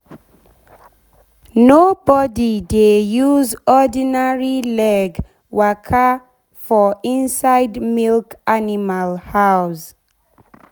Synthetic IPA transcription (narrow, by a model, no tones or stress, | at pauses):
nobɔdidejuzɔdinaɹilɛɡ | wakʰa | fɔĩnsaɪdmilkanimalhaʊs